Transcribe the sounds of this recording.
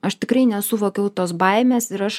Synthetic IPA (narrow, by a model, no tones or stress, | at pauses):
ɐʃt̪ʲɪkɾɐɪnʲɛsʊʋoːkʲɛʊt̪oːsbɐɪmʲeːsɪɾɐʃ